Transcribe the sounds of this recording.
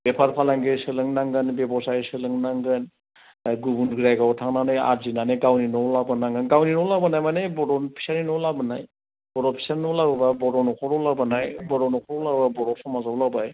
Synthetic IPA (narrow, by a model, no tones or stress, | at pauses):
b̥epʰaɾpʰalaŋɡesɯlɯŋnaŋɡɯnbebɔsajsɯlɯŋnaŋɡɯn | ɡubunɡɾajɡawtʰaŋnanaja̰tzinanɯɡawninɔlabɯnaŋɡɯnɡawninɔlabɯnajmanebɔdɔnpʰi̥saɾinɔlabɯnaj | bɔɾɔpʰi̥sanːɔlaɾɯbabɔdɔnɔkʰɔɾɔlabanajbɔɾɔnɔkʰɔɾɔlababɔɾɔsɔmazawlabaj